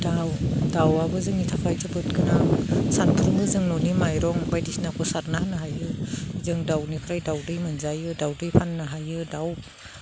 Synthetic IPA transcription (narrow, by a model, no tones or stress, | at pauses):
dawdawabɯzɯŋitʰapʰajzɯbɯt̚ɡɯnaŋsantʰɾɯmɯzɯŋnɔnimajɾɔŋbajdisnakʰɔsaɾnahanɯɦajɯzɯŋdawnipʰɾajdawdɯjmɯnzajɯdawdɯjpʰanːɯɦajɯdaw